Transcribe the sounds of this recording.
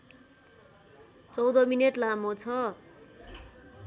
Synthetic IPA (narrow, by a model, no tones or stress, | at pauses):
t͡sʌwd̪ʌmineʈlamot͡sʰʌ